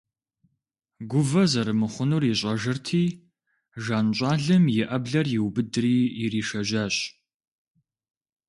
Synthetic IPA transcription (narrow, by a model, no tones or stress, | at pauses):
ɡʷʊvɐzɐɾɨmɨχʷʊnuriɕʼɐʒɨrtʰiː | ʒaːnɕʼɑːɮɨmjɪʔɐbɮɐrjɪwbɨdriːjɪriːʃɐʒaːɕʼ